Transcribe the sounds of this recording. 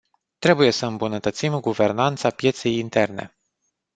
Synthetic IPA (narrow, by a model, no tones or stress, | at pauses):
t̪ɾe̞buje̞səɨmbunət̪ət̪simɡuve̞rnant̪sapje̞t̪se̞jint̪e̞rne̞̰